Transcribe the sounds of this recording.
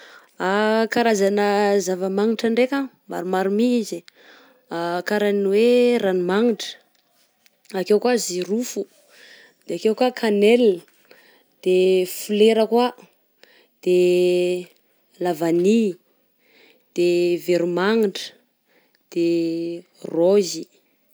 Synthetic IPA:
akaɾazanəzavəmaŋiɳʈ͡ʂaɳɖ͡ʐekʲa | ma̰ɾumaɾumiizi | akaɾaninweɾanimaŋiʈ͡ʂə̥ | akewkuaziɾufu | d̪̥eakewkakʰanel | d̪̥efuleɾəkwa | d̪̥e | lavani | d̪̥eveɾumaŋiɳʈ͡ʂə̥ | d̪̥e | rozi

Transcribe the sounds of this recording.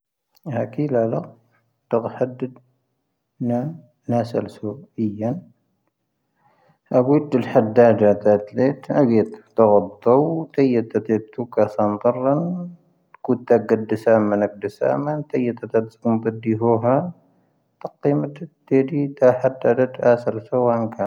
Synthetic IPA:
hakʰilalɐ | t̪ɨqħad̪ɨd̪ | na | nasɐlsoʔɨjːan | ʔaɡud̪ɨlħad̪ad̪at̪ʰat̪let̪haɡet̪t̪ɐɣɐbt̪owt̪ʰɐjɐt̪ʰːat̪et̪ʰːukasant̪ˤɨrˤɐn | kut̪ːaɡɐd̪ɨsamɐnɐɡ̚d̪ɨsa̰mant̪ʰɐjːɐt̪ʰːat̪at̪t͡sʼkumt̪ɐd̪iɦoɦa | t̪ʰɐqːimɐt̪t̪ːed̪it̪ʰaħad̪ad̪ɐt̪asɐlsowankʰa

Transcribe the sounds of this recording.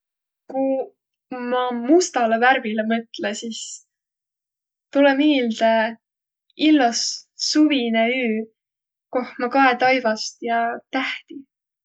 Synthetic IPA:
ku | mɑmust̪ɑlevæɾvilemɤt̪lesis | t̪ulemiːld̪̥e | ilːɑsːuvineyː | ko̞hmɑkɑet̪ɑjvɑst̪jɑt̪æht̪i

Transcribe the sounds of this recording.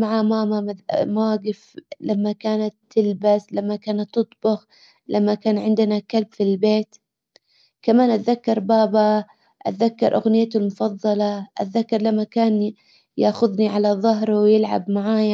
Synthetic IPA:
maʕamaːmaamawaːɡɪflamːakaːnat̪ːɪlbaslamːakaːnat̪ːɨt̪ˤbʊɣ | lʔamːakaːnʕɪnd̪ɪnakalbfilbeːt̪ | kamaːnʔat̪ðakːɑɾˤbaːba | ʔa̰t̪ðakːɑɾˤʔaɣnɪjːat̪ʊlmʊfɑðˤːɑlɑʔa̰t̪ðakːɑɾˤlamːakaːn | jaʔxʊðniʕalaðˤɑɦɾˤwjɪlʕa̰bmaʕaːja

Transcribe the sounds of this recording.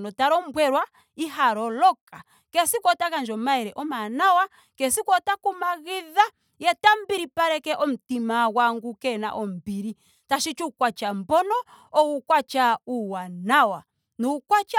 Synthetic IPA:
nɔtaɾɔmbwɛɾwa | iɦaɾɔlɔka | kɛsikwɔtakand͡ʒɔmaɛɾɛʔɔmanawa | kɛsikwɔtakumaɣiða | jɛtambiɾipaɾɛkɛʔɔm̩timawaŋɡukɛna̰ʔɔm̩biɾi | taʃit͡ʃukwat͡ʃambɔnɔ | ɔukwat͡ʃauwanawa | nukwat͡ʃa

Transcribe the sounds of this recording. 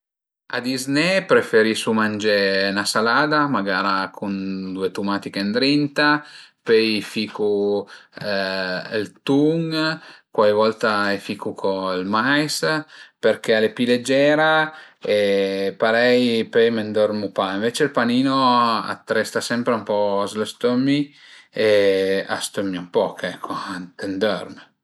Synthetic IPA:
a̰d̪iznepɾefeɾisumand͡ʒenasalaːd̪amaɡaːɾakʰund̪uet̪umaːt̪ikend̪ɾint̪apɛjfiːku | lt̪uŋkwavɔlt̪aefikukʰoilmajsperkealepiled͡ʒɛːɾaepaɾɛjpejmend̪ɔrmupaiɱveːt͡ʃeilpaniːnoa̰t̪ːɾɛst̪asɛmpɾeumpɔzlest̪omːi | ea̰st̪omːiumpɔkʰɛkʰːoant̪end̪ɔ̰rm

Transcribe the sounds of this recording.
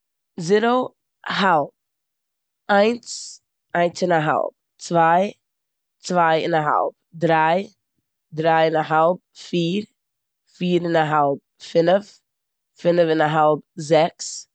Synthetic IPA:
ziɾo | halˠp̚ | aɪns | aɪ̃nsɪnaɦa̰lˠp̚ | t͡svaɪ | t͡svaɪɪ̰naɦa̰lˠp̚dɾaɪ | dɾaɪɪnaɦalˠp̚fiːɾ | fiːɾɪnaɦalˠp̚fɪnəf | fɪnəfɪnaɦalˠp̚zɛks

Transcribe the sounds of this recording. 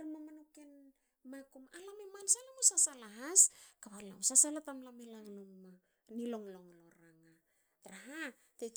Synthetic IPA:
ɾmamanoken | makumalamemansalamosasalaɦaskaβala̰msasalatamlamelaŋlomma | nilo̞ŋloŋloɾaŋa | tɾaɦa | te

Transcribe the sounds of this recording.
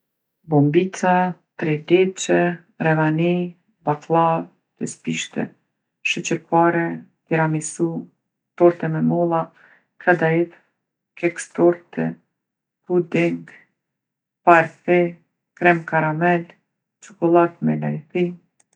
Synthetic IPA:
bɔmbit͡sat̪ɾɛd̪ɛt͡ʃɛ | ɾɛvani | bat̪lˠav | t̪ɛspiʃt̪ɛ̰ | ʃɛt͡ɕɛpaɾɛt̪iɾamisu | t̪ɔɾt̪ɛmɛmɔlˠa | kʰad̪aiθ | kɛkst̪ɔɾt̪ɛ | hud̪iŋɡ | paɾfɛ | kɾɛmkaɾamɛl | t͡ʃɔkɔlˠat̪mɛlajθi

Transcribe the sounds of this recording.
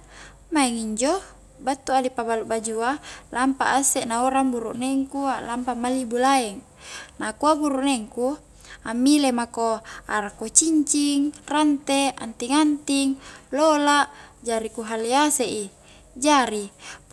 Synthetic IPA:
maɛŋiɲd͡ʒo | bat̪ːuadipabaluʔbad͡ʒualampa̰ʔasenaoɾaŋbuɾṵʔneŋkuaʔlampamalibulaɛŋ | nakuabuɾuʔneŋku | amːilemakoaɾakot͡ʃiɲt͡ʃiŋrant̪ea̰nt̪iŋant̪iŋlolaʔd͡ʒaɾikuɦaliaseʔi | d͡ʒaɾi

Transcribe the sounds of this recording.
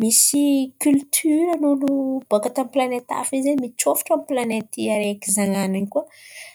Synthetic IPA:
misikʲylt̪ʰyɾənulub̥okat̪amiplanet̪a̰fizemit͡ʃofi̥ʈ͡ʂamiplanet̪iaɾekizaŋananikuə

